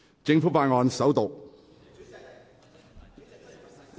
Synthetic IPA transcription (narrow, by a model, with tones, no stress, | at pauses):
t͡sɪ˧ŋfuː˨˥faː˧nŋɔː˧nsɐ˨˥wt̪ʊ˨˩k̚